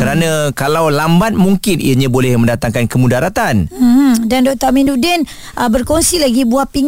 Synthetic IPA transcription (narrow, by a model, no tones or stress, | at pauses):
kəɾanãkalawlambat̪̚muŋkɪnʔḭaɲãbolɛhmə̃ndat̪aŋkankəmũdaɾat̪anm̩h̩dandɔk̚t̪aminudɛn | ʔəbərkɔŋsilaɡibuahpiŋ